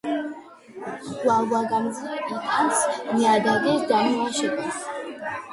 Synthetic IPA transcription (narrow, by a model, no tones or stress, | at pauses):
wavaɡamzʼit̪ʰʼansmiad̪aɡɛd̪amuaʃɛkʼa